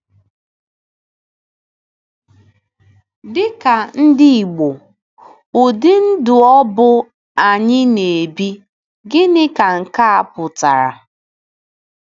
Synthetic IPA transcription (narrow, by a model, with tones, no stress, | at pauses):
dɪ˦ka˨n̩˦dɪ˦i˨ɡ͡bo˨ | o˨dɪ˦n̩˦dʊ˨ɔ˦bʊ˦ | a˨ɲɪ˦ne˨bi˦ | ɡɪ˦nɪ˦ka˨ŋ̩˨ka˦a˨pʊ˨ta̰˨ɾa̰˨